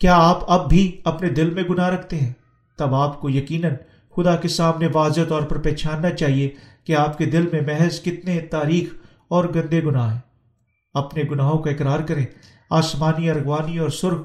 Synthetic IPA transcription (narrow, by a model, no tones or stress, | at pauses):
kjaːaːpɐbːʱiɐpned̪ɪlmẽɡʊnaɾɐkʰt̪eɦɛ̃ː | t̪ɐbaːpkojɐkiːnən | xʊd̪akesaːmneʋaːzat̪ɔːɾpɐɾpɛːt͡ʃʰaːnːat͡ʃaːɦiekeaːpked̪ɪlmẽmɛɦəzkɪt̪net̪aːɾiːx | ɔːɾɡɐ̃nd̪eɡʊnaːɦɛ̃ː | ɐpneɡʊnaːɦõkaɪkɾaːɾkɐɾẽː | aːsmaːniɐɾɣʋaːniɔːɾsʊɾɡ̚